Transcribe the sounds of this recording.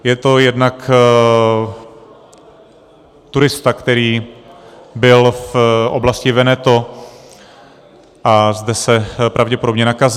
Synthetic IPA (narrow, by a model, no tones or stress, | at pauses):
jɛt̪o̞jɛdnak | t̪uɾɪst̪akt̪ɛɾiː | bɪlfʔo̰blascɪvɛnɛt̪o | ʔazdɛsɛpɾavɟɛpodobɲɛnakaz